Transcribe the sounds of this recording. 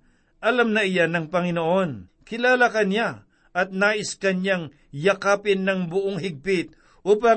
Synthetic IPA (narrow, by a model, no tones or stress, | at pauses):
ʔɐlamnɐʔɪjanɐŋpɐŋɪnoʔo̞nkɪlaːlakɐnja | ʔɐt̪̚naːʔɪskɐnjaŋ | jɐkaːpɪnːɐŋbʊʔoŋɦɪɡ̚pɪt̪̚ | ʔuːpɐ